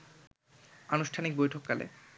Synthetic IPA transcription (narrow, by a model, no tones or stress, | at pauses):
anuʃʈʰanik̚bojʈʰokːalḛ